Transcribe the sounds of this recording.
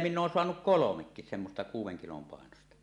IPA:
minː oːn soɑnuk kolomekːis semːostɑ kuːwˑeŋ kilom pɑˑenostɑ

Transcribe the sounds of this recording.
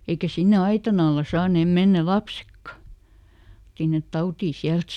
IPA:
eikæ sinːe ɑitɑn ɑlːɑ sɑːneˑm menːæ lɑpsekːɑ sinːet tɑutiː siælt

